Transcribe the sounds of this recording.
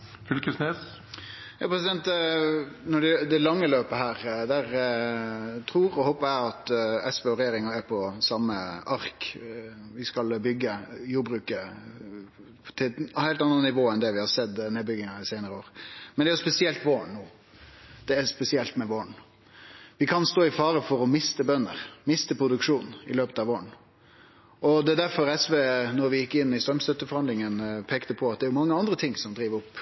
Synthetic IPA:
fʏlkəsneːs | jɑ̰ːpʰɾɛsɪd̪ɛnt̪ | nɔɖɛd̪ɛlɑŋːəløːpəɦæːɾd̪æɾ | t̪ʰɾuːɾɔhɔːpɑɛɑt̪ɛspeːɔɾɛjeːɾɪŋɑæɾpʰɔsɑmːəʔɑɾk | ʋɪskɑlbʏɡːəjuːɾbɾʉːkə | t̪ʰɪhæɪlt̪ɑnənnɪʋoːɛnd̪ɛʋɪhɑɾsɛd̪ːneːbʏɡɪŋɑɪsæɪnəɾəoːɾmɛnd̪ɛːjʊspɛsɪɛlt̪ʋoːənnuː | d̪̥ɛːɾspɛsɪɛlt̪mɛʋoːəɳ | ʋɪkʰɑnst̪oːɪfɑːɾəfɔɾɔmɪst̪əbœnːəɾmɪst̪əpʰɾʊd̪ʉkʂuːnnɪ̰løːpət̪ɑʋoːən | ɔd̪ɛæd̪æɾfɔɾɛsʋeːnɔɾʋɪjɪkːɪnːɪst̪ɾœmst̪œt̪ːəfɔɾhɑnd̪lɪŋənpʰeːkt̪əpʰɔɑt̪̚d̪ɛæɾjʊmɑŋːəɑnd̪ɾət̪ʰɪŋsɔmd̪ɾiːʋəɾʊpː

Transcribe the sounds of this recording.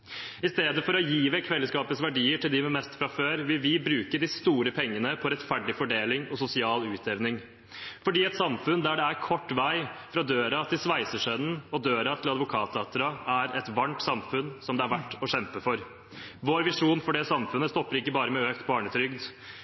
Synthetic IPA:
ɪst̪eːd̪əfɔɾɔjiːʋɛkʰʋɛlːəskɑːpət̪sʋæɖiːəʈʰɪld̪ɪmɛmɛst̪fɾɑføːɾʋɪlʋɪbɾʉːkəd̪ɪst̪uːɾəpʰɛŋːənəpʰɔɾɛt̪fæɖɖɪfɔɖeːlɪŋɔsʊsɪɑːlʉːt̪ʰɛʋnɪŋ | fɔɖiːɛt̪sɑmfʉnd̪æɖɛæɾkʰɔʈːʋæɪfɾɑd̪øːɾɑt̪ʰɪlsʋæɪsəʂœnn̩ɔd̪øːɾɑt̪ʰɪlɑd̪ʋʊkʰɑːt̪ɑːt̪əɾɑæɾɛt̪ʋɑɳʈsɑmfʉnsɔmd̪ɛæɾʋæʈːɔɕɛmpəfɔɾ | ʋoːɾʋɪʂuːnfɔɖɛsɑmfʉnːəst̪ɔpːəɾɪkːəbɑːɾəmɛøːkt̪bɑːɳət̪ʰɾʏɡd̪

